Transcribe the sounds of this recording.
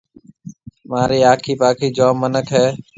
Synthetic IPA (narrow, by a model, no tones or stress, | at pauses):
mãːɾiːaːkʰiːpaːkʰiːd͡ʒoːmːənəkɦɛː